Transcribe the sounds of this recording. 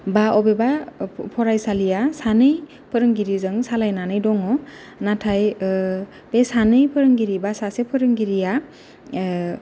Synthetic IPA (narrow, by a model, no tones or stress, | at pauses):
baɔbebapʰɔɾajsalijasanɯj | pʰəɾɯŋɡiɾizɯŋsalajnanɯjdɔŋɔ | natʰaj | b̥esanɯjpʰɯɾɯŋɡiɾibasasepʰɯɾɯŋɡiɾija